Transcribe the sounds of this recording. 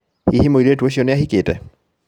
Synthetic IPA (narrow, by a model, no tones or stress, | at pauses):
ihimoiɾetueʃ̬ioneahiketɛ